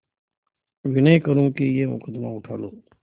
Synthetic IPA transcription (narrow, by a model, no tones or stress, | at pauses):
ʋɪnəikəɾũkijeːmʊ̰kəd̪maʊʈʰaːloː